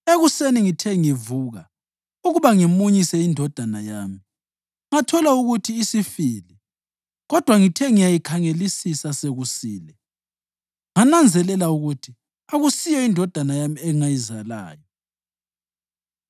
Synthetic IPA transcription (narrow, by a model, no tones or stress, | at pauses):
eɣuseniŋitʰɛŋivuːɣa | uɣuβaŋimuɲisɛindʱɔd̥ʱanajaːmi | ŋatʰɔlauɣutʰiːsifiːlɛ | ɣɔd̥ʱwaŋitʰɛŋijajikʰaŋelisisaseɣusiːlɛ | ŋanand͡zʱɛlɛlauɣutʰi | aɣusijɔindʱɔd̥ʱanajamiɛŋajizala̰ːjɔ